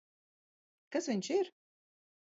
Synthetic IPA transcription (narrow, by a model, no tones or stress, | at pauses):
kasvʲiɲʃiɾ